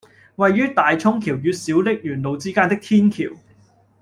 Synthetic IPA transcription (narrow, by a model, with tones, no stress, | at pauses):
wɐ˨jːyː˥t̪aː˨jt͡sʰʊ˥ŋkʰiː˨˩wjyː˧t̚siː˨˥wlɪ˥k̚jyː˨˩nlo˨˧wt͡siː˥kaː˥nt̪ɪ˥k̚t̪ʰiː˥nkʰḭː˨˩w